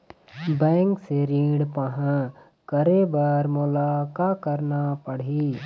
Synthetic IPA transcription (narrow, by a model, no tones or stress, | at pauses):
bɛ̃ːŋkseɾiːɽpəɦã | kəɾebaːɾmʊlaːkakəɾnapəɽ̤i